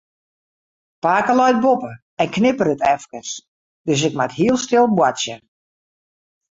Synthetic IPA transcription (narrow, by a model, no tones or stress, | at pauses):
paːkəlɔjt̚bopə | ɛnknɪpəɾətʰɛfkəs | d̥øs̬ɪk̚makhiəlˠstɪlˠbwasjə